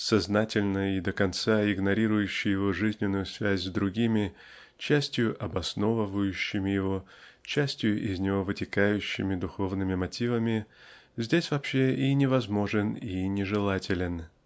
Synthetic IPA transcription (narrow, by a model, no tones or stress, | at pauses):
sɐznatʲɪlʲnəid̪əkɐnt̪saɪɡnɐɾʲiɾʊjʉɕːɪjɪvo̞ʐɨzʲnʲɪnːʊjʊsvʲæzʲzd̪ɾʊɡʲimʲɪ | t͡ɕæsʲtʲjʊʔɐbɐsno̞vəvəjʉɕːɪmʲɪjɪvo | t͡ɕæsʲtʲjʊʔɪzʲnʲɪvo̞vɨtʲɪkajʉɕːɪmʲɪd̪ʊxo̞vnɨmʲɪmɐtʲivəmʲɪ | zʲdʲesʲvɐpɕːeinʲɪvɐzmo̞ʐɨninʲɪʐɨlˠatʲɪlʲɪn